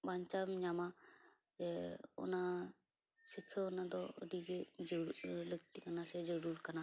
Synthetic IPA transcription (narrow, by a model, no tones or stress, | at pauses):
baɲt͡ʃamɲama | d͡ʒɛṵna | sikʰːəunad̪ɔə̰diɡed͡ʒəɾləɡ̚t̪ikanasɛd͡ʒəɽuɾkana